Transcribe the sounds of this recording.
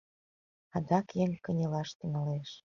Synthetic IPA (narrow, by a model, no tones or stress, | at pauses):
ɑd̪ɑkjeŋkənʲelɑʃt̪yŋɑleʃ